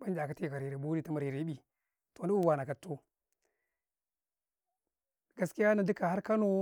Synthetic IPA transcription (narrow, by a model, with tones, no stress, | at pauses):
ba˦nd͡ʒa˨ka˦ti˦˨ka˨ɾi˨ɾe˨bu˦ɾi˦ta˦ma˨ɾi˨ɾe˨˦ɓi˨ | to˨˦i˦u˦˨wa˨na˨ka˨tːo˦ | ɡa˨˦ski˦ja˦na˨di˦ka˨ha˦ɾka˦no˦